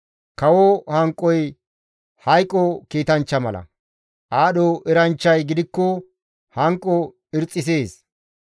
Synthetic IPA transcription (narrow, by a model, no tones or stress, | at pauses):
kɐwɔhɐŋkʼːɔj | hɐjkʼːɔkiːt̪ɐnt͡ʃːɐmɐlɐ̰ | ʔaːɗoʔɛɾɐnt͡ʃːɐjɡɪd̪ɪkːɔ | hɐŋkʼːɔ | ɪɾt͡sʼːɪs̬eːs